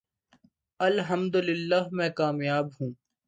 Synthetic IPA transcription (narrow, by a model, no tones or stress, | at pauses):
ɐlɦɐmd̪ʊlɪlːaːɦmɛ̃ːkaːmjaːbɦũː